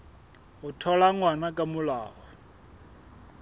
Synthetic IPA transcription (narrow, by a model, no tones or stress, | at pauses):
ɦʊtʰɔlaŋwanakʼamʊlaːɦɔ